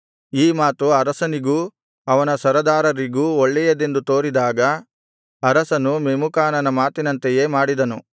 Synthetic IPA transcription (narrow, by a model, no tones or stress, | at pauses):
iːmaːt̪uɐɾɐsɐniɡu | ɐʋɐnɐsɐɾɐd̪aːɾɐɾiɡuɔɭːɛjɐd̪e̞nd̪ut̪o̞ːɾid̪aːɡɐ | ɐɾɐsɐnumemukaːnɐnɐmaːt̪inɐnt̪eje̞ːmaːɽid̪ɐnu